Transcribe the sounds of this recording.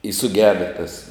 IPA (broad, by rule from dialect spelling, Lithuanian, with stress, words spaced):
ɪ sʊˈɡʲæːdɐ tɐs